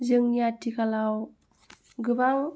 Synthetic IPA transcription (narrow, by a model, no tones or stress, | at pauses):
zəŋjatːikalaw | ɡəbaŋ